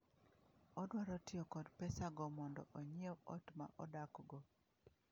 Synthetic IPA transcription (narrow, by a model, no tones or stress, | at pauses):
ɔdwaɾɔtɪokɔdpɛsaɡɔmɔndɔ̰ʔoɲioɔtma̰ʔɔdakɡɔ